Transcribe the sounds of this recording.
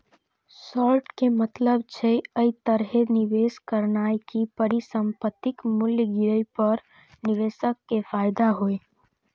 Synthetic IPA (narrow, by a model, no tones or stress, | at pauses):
sɔːɾʈkemət̪ləbt͡ʃʰeəit̪əɾɦenɪʋeːskəɾnaːjkipəɾisə̃mpət̪ːɪkmʊljɡɪɾəipəɾ | nɪʋeːsəkːefaːjd̪aɦoe